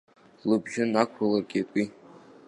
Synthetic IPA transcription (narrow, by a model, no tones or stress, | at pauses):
lɨbʒɪnakʷʰralarɡʲʼitʷʼi